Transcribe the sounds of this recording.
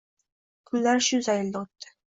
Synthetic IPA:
kʰʊnːaɾʃʊzajɪld̪aot̪ːɪ̥

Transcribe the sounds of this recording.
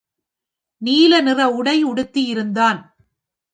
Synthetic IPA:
niːlɐnɪrɐʊɽɐɪʊɽɯt̪ːɪjɪɾɯnd̪aːn

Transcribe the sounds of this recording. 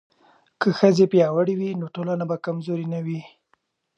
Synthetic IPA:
kəxəzepjɑwəɽiwinoʈolanabakamzoɾinawi

